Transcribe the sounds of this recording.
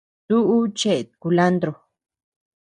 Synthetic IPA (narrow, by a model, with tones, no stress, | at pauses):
t̪u˦ʔu˦t͡ʃe˦˨t̪̚ku˨la˦nd̪ɾo˨